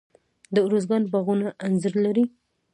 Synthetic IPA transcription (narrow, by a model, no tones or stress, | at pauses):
d̪əuɾozɡɑnbaɣunaʔanzaɾlaɾi